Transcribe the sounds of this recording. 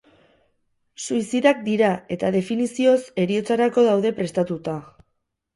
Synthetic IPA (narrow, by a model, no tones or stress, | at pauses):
suisiðak̚d̪iɾae̞t̪aðe̞finisio̞se̞ɾio̞t͡saɾako̞ð̞awðe̞pɾe̞st̪at̪ut̪a